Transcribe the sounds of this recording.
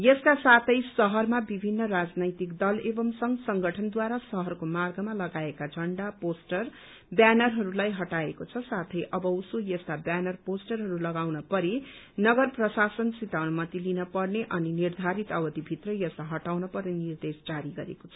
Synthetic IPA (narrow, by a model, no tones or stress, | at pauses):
jʌskasat̪ʰʌjsʌɦʌrmabibʱinːʌrad͡znʌjt̪ikd̪ʌlebʌmsʌŋsʌŋɡʌʈʰʌnd̪waɾasʌɦʌrkomarɡʌmalʌɡaekad͡zʱʌɳɖaposʈʌr | bjanʌrɦʌɾulajɦʌʈaekot͡sʰʌsat̪ʰʌjʔʌbʌusojʌskabjanʌrposʈʌrɦʌɾulʌɡawnʌpʌɾi | nʌɡʌrprʌsasʌnsit̪awnmʌt̪ilinʌpʌrneʔʌninird̪ʱaɾit̪ʌbʌd̪ibʱit̪rʌjʌsaɦʌʈawnʌpʌrnenird̪esd͡zaɾiɡʌɾḛkot͡sʰʌ̥